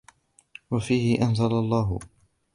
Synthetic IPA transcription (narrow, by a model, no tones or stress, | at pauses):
wafiːhɪʔanzalalˤːɑːɦ